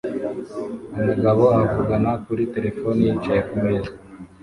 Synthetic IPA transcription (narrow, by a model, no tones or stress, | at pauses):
umuɡaβoavuɡanakuɾite̞ɾe̞foniit͡ʃajekumiza